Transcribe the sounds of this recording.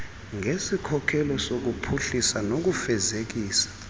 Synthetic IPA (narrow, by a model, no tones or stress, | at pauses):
ŋesikʰɔkʰɛlɔsok̬upʰuɬisanok̬ufɛzek̬iːsḁ